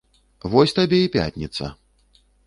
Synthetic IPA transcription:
vɔsʲt̪abʲɛipʲa̰t̪ʲnʲit̪sɐ̰

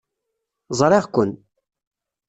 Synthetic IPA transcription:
zˤɾˤeʁkʷən

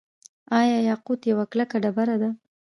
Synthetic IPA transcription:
ɑjɑjɑqud̪jawaklakaɖabaɾad̪a

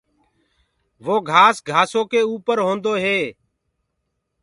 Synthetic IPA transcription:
ʋoːɡʱaːsɡʱaːsoːkeːuːpəɾɦõːnd̪oːɦeː

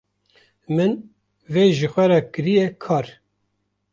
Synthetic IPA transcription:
mɨn | veːʒɨxʷɛɾɛkɨɾijɛkʰɑːɾ

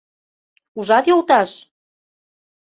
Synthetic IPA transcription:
uʒɑt̪jolˠt̪ɑʃ

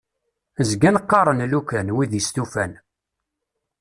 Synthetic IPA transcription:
zɡænqːɑɾˤənlukænwiðjəst̪ufæn

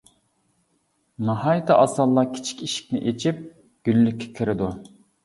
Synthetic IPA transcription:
nɑhɑjət̪ʰɨʔɑsɑlˠːɑkʲʰi̥t͡ʃʰi̥kʲiʃi̥k̚ʲnɪ̰ʔet͡ʃʰip̚ | ɡ̥ʲylːykʲːe̥kʲʰiɾɪd̪u

